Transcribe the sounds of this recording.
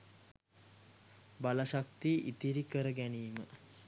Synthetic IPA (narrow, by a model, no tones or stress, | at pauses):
balaʃak̚t̪iʔit̪iɾikəɾəɡæniːmə